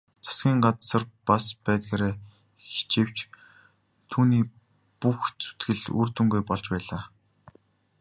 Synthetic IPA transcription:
t͡sʰḁsɡʲiːŋɢat̪sə̆rpaspæːt̪ɡeːɾeː | xi̥t͡ɕew̥t͡ɕ | t̪ʰuːniː | puxt͡sʰu̥t̪ɡɘ̆ɮṵr̥t̪ŭŋɡujpɔɮt͡ɕpæːɮaː

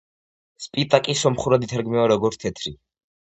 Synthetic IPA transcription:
spʼit̪ʼakʼisɔmχuɾad̪it̪ʰaɾɡmɛaɾɔɡɔɾt̪t̪ʰɛt̪ʰɾi

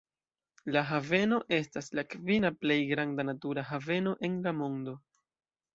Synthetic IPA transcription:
laɦave̞no̞ʔe̞staslakvinaple̞jɡɾandanatuɾaɦave̞no̞ʔe̞nlamo̞ndo̞

